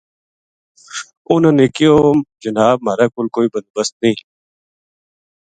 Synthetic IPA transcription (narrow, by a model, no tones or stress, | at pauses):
ʊnãːneːkɪjoːd͡ʒənaːb̚maːɾaːkʊlkoːiːbənd̪̚bəst̪̚nĩː